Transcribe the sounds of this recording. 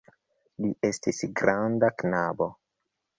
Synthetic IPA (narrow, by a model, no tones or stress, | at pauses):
liʔe̞stisɡɾandaknabo̞